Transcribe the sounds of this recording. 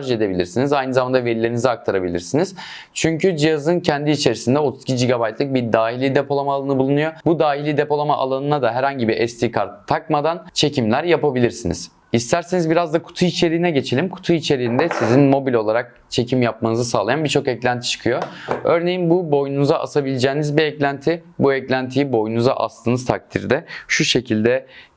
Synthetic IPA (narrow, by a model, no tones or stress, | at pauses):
ʒed̪e̞bilʲḭɾsinizajnɯzamand̪ave̞ɾilʲeɾiniziak̚t̪ʰaɾabilʲḭɾsiniz̥ | t͡ʃʰyɲcʰyd͡ʒijazɯncʰɛnd̪iːt͡ʃʰe̞ɾisind̪ɛo̞t̪ʰuz̥cʰid͡ʒiɡabajt̪lˠɯk̚biɾd̪aːɦilʲid̪e̞pʰo̞lˠamaːlˠanɯbulˠunujobud̪aːɦilʲid̪e̞po̞lˠamaʔalˠanɯnad̪aɦɛɾhaɲɟibiʔɛst̪ʰikʰaɾt̪ʰːakmad̪ant͡ʃʰe̞cʰimlʲæɾjapabilʲiɾsinḭz̥ | ist̪ʰæɾsenizbiɾazd̪akʰu̥t̪ʰuit͡ʃʰe̞ɾiːnɛɟe̞t͡ʃʰe̞lʲimkʰu̥t̪ʰuit͡ʃʰe̞ɾiːnd̪ɛsizinmo̞bilʲo̞lˠaɾak̚ | t͡ʃʰe̞cʰimjap̚manɯzɯsaːlˠajanbiɾt͡ʃʰo̞kɛclʲænt̪ʰi̥t͡ʃʰɯ̥kʰɯjoø̞ɾne̞jinbubo̞jnunuzaʔasabilʲid͡ʒɛːnizbiɛclʲænt̪ʰibuɛclʲænt̪ʰijibo̞junuza̰ʔa̰slˠɯnɯzt̪ʰak̚t̪ʰiɾd̪ɛʃuʃe̞cʰilʲd̪ɛ